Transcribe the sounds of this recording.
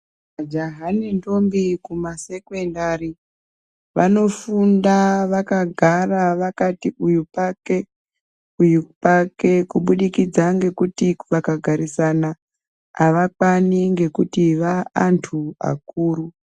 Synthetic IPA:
ad͡ʒaɦanindo̞mbikumase̞kwendari | ʋano̞fundaʋakaɡʱaraʋakatiʔujupake̞ | ujupake̞kuɓuɗikid͡zaŋɡe̞kutiʋakaɡʱaɾisanaː | ʋakaniŋɡe̞kutiʋaantʰua̰kuːɾu

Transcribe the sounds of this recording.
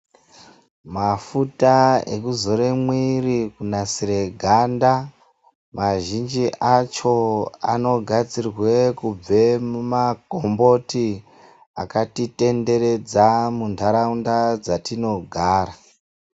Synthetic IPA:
mafutaḛkuzo̞ɾemwirikunasiɾeɡʱanda | maʒind͡ʒiʔʔat͡ʃo̞a̰no̞ɡʱad͡zirwe̞kub͡ve̞mumakombo̞ti | akatite̞nde̞ɾe̞d͡zamundaɾaundad͡zatino̞ɡʱaːɾa

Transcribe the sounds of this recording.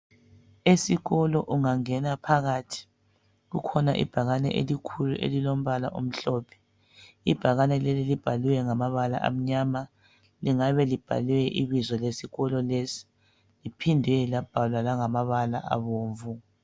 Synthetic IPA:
esiɣɔlɔʔuŋaŋɛnapʰaɣaːtʰi̥ | ɣukʰɔna̰ʔḭb̥ʱaɣanɛ̰ʔelikʰuluʔḛlilom̩βala̰ʔum̩ɬɔːpʰɛ̥ | ib̥ʱaɣanɛlɛlilib̥ʱaliwɛŋamaβala̰ʔa̰m̩ɲama | liŋaβɛlib̥ʱa̰liwɛʔiβizɔlesiɣɔlɔlesi̥ | lipʰindʱɛlab̥ʱalwalaŋamaβala̰ʔa̰βoːɱvu

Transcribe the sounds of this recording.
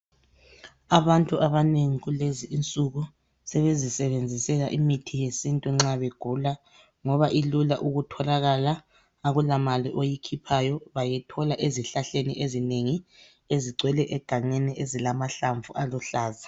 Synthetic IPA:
aβantʼuʔaβaneŋiɣuleziʔint͡sʼuɣu | sɛβezisɛβend͡zʱisɛlaʔimitʰijesintʼuŋ͡ǁaβeɡ̥ʱula | ŋɔβaʔilulaʔuɣutʰɔlaɣalaː | ɣulamaliʔojikʰipʰajɔβajɛtʰɔlaʔeziɬaɬenḭʔezineŋi | eziǀʱwɛlɛʔɛɡ̥ʱaŋenɛʔezilamaɬaɱvuʔalɔɬaːza

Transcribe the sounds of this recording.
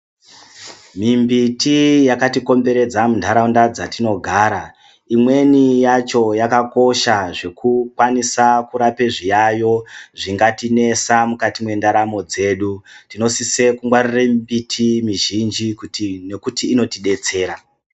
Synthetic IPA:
mimbitijakatiko̞mbe̞ɾe̞d͡zamuntʰaɾaundad͡zatino̞ɡʱaːɾa | imwe̞nijat͡ʃo̞jakako̞ʃaʐe̞kukwanisakuɾapeʐijajo̞ʐiŋɡatine̞samukatimwe̞ndaɾamo̞d͡ze̞ɗutino̞sise̞kumɡwarirembitʰimiʒind͡ʒikune̞kutiːno̞tiɗe̞t͡se̞ːɾa

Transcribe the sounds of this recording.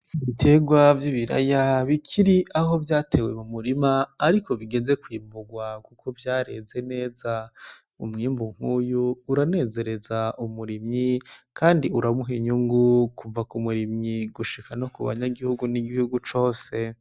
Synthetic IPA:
βitʰe̞ɡwavjiːβiɾa̰jaβikʰiɾiʔaɦo̞vjaːtʰe̞ːwe̞mumuɾimaːɾikʰo̞βiɡe̞ze̞kwiːmbuɡwakukʰo̞vjaːɾe̞ze̞ne̞ːza | ṵmŋiːmbuŋ̥huːjuːɾane̞ːze̞ɾe̞zaumuɾimɲikʰaːndiuɾamuɦiɲuŋɡukuvakumuɾimɲiɡuʃikʰano̞kuβa̰ɲaɡihuɡuniɡihuɡut͡ʃo̞ːse̞

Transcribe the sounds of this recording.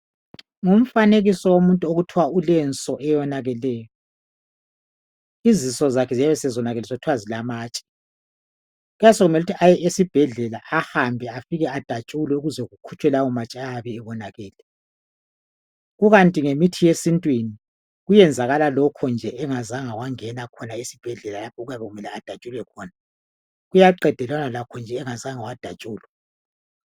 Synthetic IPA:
ŋum̩faneɣisɔwomuntʼuoɣutʰiwaulɛnt͡sʼɔʔɛjɔnaɣɛlɛːjɔ | izisɔzakʰɛzijaβɛsɛzɔnaɣɛlɛsɔutʰwazilamaːt͡ʃʼɛ̥ | ɣujasɔɣumɛluutʰiʔajɛesib̥ʱɛɮɛlaʔahambʱɛafiɣɛad̥ʱat͡ʃʼulwɛuɣuzɛɣukʰu̥t͡ʃʼwɛlawɔmat͡ʃʼaaβɛːβɔnaɣɛːlɛ | ɣuɣantʼiŋemitʰijesintʼwini | ɣujɛnd͡zʱaɣalalɔkʰɔnd͡ʒʱɛʔɛŋazaŋawaŋɛnakʰɔnaisib̥ʱɛɮɛlalapʰɔɣujaβɛɣumɛlɛad̥ʱat͡ʃʼulɛkʰɔːna | ɣujaǃɛd̥ʱɛlwanalakʰɔnd͡ʒʱɛːŋazaŋawad̥ʱat͡ʃʼuːlwɛ

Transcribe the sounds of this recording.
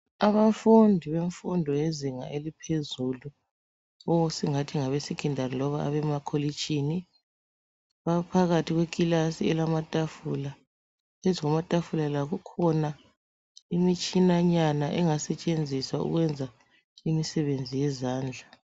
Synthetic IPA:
aβafundʱiβeɱfundʱɔjeziŋa̰ʔelipʰezulu | ɔwsiŋatʰiŋaβesiɡ̥ʱindʱanilɔβaaβɛmakʰolit͡ʃʼini | βapʰaɣatʰiɣwekʼilasiɛlamatʼafula | eziŋɔmatʼafulalaɣukʰɔna | imit͡ʃʼinaɲanaʔɛŋasɛt͡ʃʼend͡zʱiswaṵɣwɛnd͡zʱa | imisɛβend͡zʱijɛzaːnd͡ɮʱa

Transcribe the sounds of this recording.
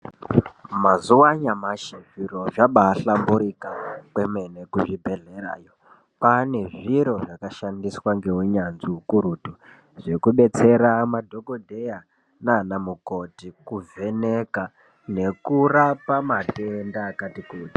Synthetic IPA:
mazuwaɲamaʃeʐiɾo̞ʐaɓaɬambuɾikakwe̞me̞ne̞kuʐibʱe̞ɮe̞ɾa̰ːjo | pane̞ʐiɾo̞ʐakaʃandiswaŋɡe̞ɦuɲanziukuɾutu | ʐ̥e̞kuɓe̞t͡se̞ɾamadʱokodʱeja | nanamuko̞tikuve̞neka | ne̞kurapamatendaːkatikuːti̥

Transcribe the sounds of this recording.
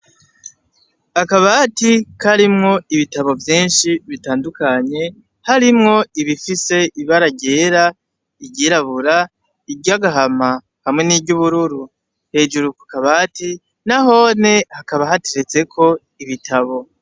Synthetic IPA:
akaβatikʰaɾimŋo̞iβitaβo̞vjiːnʃiβitaːndukaɲe̞ | haɾimŋo̞iβifise̞iβaɾaɟe̞ːɾa | iɟɟiɾaβuɾa | iɟaɡaɦama | hamŋe̞niːbɟuβuɾuɾu | he̞ːd͡ʒuɾukukaβati | naɦo̞ne̞hakaβaɦateɾe̞t͡se̞kʰo̞ | iβitʰaβo̞

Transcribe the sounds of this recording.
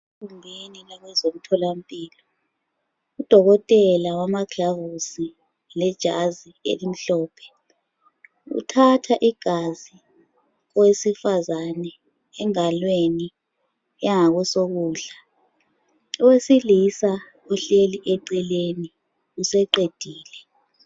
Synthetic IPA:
kʰumbʱeninaɣwɛzom̩tʰɔlampʼiːlɔ | ud̥ʱɔɣɔtʼɛlawamaɡʰavusi | lɛd̥ʒ̥ʱa̰ziḛlim̩ɬɔːpʰɛ̥ | ṵtʰatʰaʔiɡ̥ʱazi | kwesifazanɛː | ŋalweni | ɛŋaɣ̬wɛsoɣuːɮa | ɔwesilisa | ɔɬeliʔɛǀɛleni | usɛǃed̥ʱiːlɛ

